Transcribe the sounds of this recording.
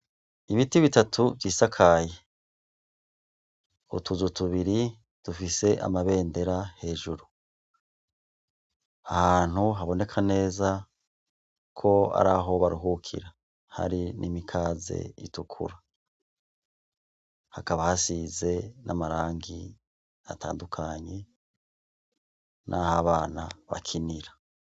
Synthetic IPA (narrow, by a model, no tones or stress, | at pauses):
iβitiβitatʰuviːsakʰaːje | ṵtuzutuβiɾi | d̥ufise̞ʔa̰maβe̞ːnde̞ɾahe̞ːʒuɾu | ahaːn̥huɦaβo̞ne̞kʰane̞ːza | kʰo̞a̰ɾa̰ɦo̞βaɾuɦukʰḭɾa | ha̰ɾinʔimikʰaːze̞̰ḭtukʰṵɾa | hakaβahasize̞namaɾaːŋɡi | a̰taːndukʰaɲe̞ | nʔahaβaːnaβa̰kʰiniɾa